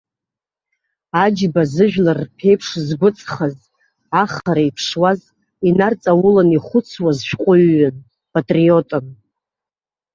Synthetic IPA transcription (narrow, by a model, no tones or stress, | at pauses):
ad͡ʒbazɨʒᶣlarːpʰejpʰʂzɡʷʊt͡sʼχaz | aχaɾaipʰʂwaz | inart͡sʼawʊlaniχʷʊt͡sʰwazʃᶣqʷʼʊɥːan | pʼatʼriotʼɨn